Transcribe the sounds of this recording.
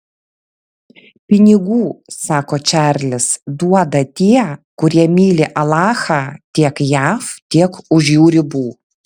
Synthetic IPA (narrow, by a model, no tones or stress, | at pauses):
pʲɪnʲɪɡuːsɑːkoːt͡ʃʲæːˑɾʲlʲɪsd̪uɔd̪ɐt̪ʲiɛkʊɾʲiɛmʲiːlʲɪʔɐlˠɑːxɑːt̪ʲiɛkjæːft̪ʲiɛkʊʒʲjuːɾʲɪbuː